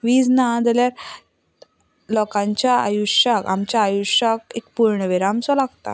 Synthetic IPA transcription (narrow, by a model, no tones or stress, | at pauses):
ʋiːd͡znad͡z̪aljaɾ | lɔkãɲt͡ɕjaa̰juʂjakamt͡ɕjaːjuʂjak̚ekpuɾɳəʋeɾamt͡sɔlaɡt̪a̰